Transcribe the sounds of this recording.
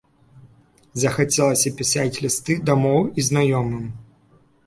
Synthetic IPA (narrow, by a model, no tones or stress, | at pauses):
zɐxat͡sʲɛlˠɐsʲɐpʲisat͡sʲlʲist̪ɨd̪amɔwiznajɔmɨm